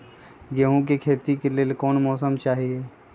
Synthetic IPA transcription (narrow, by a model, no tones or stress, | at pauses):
ɡeɦõk̬ikʰeːt̪ikeleːlkɔːnmɔːsəmt͡ʃaːɦieː